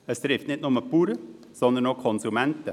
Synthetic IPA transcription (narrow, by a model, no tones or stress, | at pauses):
əst̪ɾɪftnɪtnʊməpuːɾə | sɔnd̪ənokʰɔnsumɛntə